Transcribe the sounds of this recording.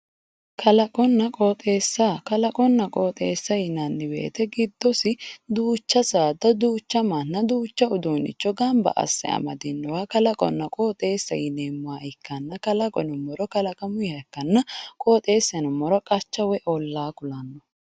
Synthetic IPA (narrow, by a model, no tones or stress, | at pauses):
kʰɐlɐkʼɔnːɐkʼoːt̪ʼe̞ːsːakɐlɐkʼɔnːɐkʼoːt̪ʼeːsːɐjɪnɐnːɪbḛːt̪ɛɡɪd̪ːɔsɪd̪uːt͡ʃːɐsaːd̪ɐd̪uːt͡ʃːɐmanːɐd̪uːt͡ʃːɐʊd̪uːnɪ̰t͡ʃːɔɡɐmbɐ̰ʔɐ̰sːɛ̰ɐ̰mɐ̰d̪ɪnːɔwaːkɐlɐkʼɔ̰nːɐkʼoːt̪ʼe̞ːsːɐ̰jɪneːmːʊaːɪkːɐnːɐkɐlɐkʼɔnʊmːɔɾɔkɐlɐkʼɐmʊjɪɐkːɐnːɐkʼoːt̪ʼe̞ːsːɐnʊmːɔɾɔkʼɐt͡ʃːɐwɛʔɔlːaːkʊlɐnːɔ